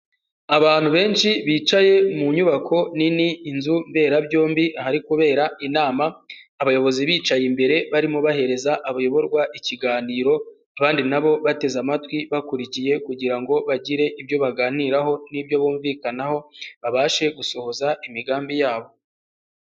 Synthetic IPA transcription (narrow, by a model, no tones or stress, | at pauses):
aβaːn̥huβe̞ːnʃiβiːt͡ʃaje̞muɲuβakʰo̞niniːnzumbe̞ːɾabɟo̞ːmbihaɾikuβe̞ːɾainaːmaː | βajo̞βo̞ziβiːt͡ʃajimbe̞ɾe̞βaɾimoβahe̞ɾe̞zaʔaβajo̞βo̞ɾɡwaʔiciɡaːniːɾo̞ | aβaːndinaβo̞βate̞zamatwiβakuɾicije̞kuɟiɾaŋɡo̞βaɟiɾe̞ʔibjo̞βaɡaːniɾaɦo̞nibjo̞βuːɱvikanaho̞βaβaːʃe̞ɡuso̞ho̞zaʔimiɡaːmbijaːβo̞